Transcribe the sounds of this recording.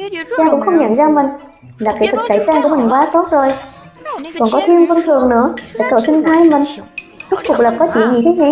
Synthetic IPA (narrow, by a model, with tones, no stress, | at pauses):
t͡ɕaː˧kʊ̰˧˥ŋ͡mxə˧wŋ͡mɲa̰˧˩˨ŋzaː˧mï˨˩ŋ̟ | laː˨˩kaː˨˦˥t̪ʰɨ˨˩sə̰˧˩jsaː˧ŋku˧˩mï˨˩ŋ̟kwaː˨˦t̪o˦˥t̚zo˨˩j | kɔ˨˩nkɔ˨˦t̪ʰi˧ənvə˧nt̪ʰɨ˨˩əŋnɨ̰˧˥əɗḛ˧˩t̪o˧˩sɨ˧ŋt̪ʰaː˧jmï˨˩ŋ̟ɗʊ˦˥k͡p̚fʊ˨˩k͡p̚lə˨˩p̚kɔ˨˦t͡ɕi˧˩əɲḭ˧˨˩t̪ʰe˨˦ŋa˨˩˦